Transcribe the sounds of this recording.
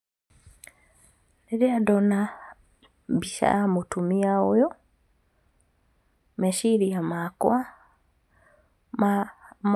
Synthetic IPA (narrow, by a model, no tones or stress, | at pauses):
neɾeadɔna | biʃa̰amotumiaojɔ | meʃiɾiamakwa | m